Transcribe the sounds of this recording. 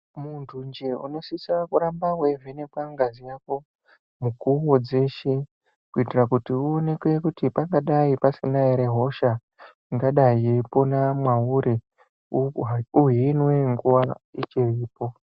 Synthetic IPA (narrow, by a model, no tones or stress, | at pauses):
muntʰund͡ʒeṵno̞sisakuɾambaɦwe̞vʱene̞bwaŋɡazijako̞ | mukuwo̞d͡ze̞ʃe̞ | kuitirakutiuone̞kwekutipaŋɡaɗaipasinaeɾe̞ɦo̞ʃa | iŋɡaɗaiepo̞namwauɾe | uɦinwe̞ŋɡuwait͡ʃeriːpo̞